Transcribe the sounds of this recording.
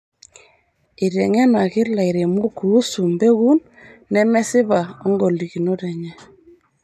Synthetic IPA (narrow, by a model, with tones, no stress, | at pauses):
i˨ɾe˨ŋɛ˦na˨kɪ˦ɾla˨i˨ɾe˨mo˦kuː˨˦su˨mbe˦ɣu˦nː | ɛ˦mɛ˦sɪ˦βa˨ɔ˦ŋɡo˨li˨ki˨no˦tɛ˨ɲɛ˦